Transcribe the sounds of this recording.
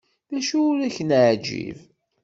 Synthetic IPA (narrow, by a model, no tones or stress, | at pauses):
ðæʃiɾæçənaʕd͡ʒḭv